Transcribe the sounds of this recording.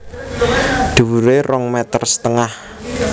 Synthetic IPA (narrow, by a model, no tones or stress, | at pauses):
ɖ̪̥ṳwuɾerɔŋmɛt̪ərsə̥t̪əŋah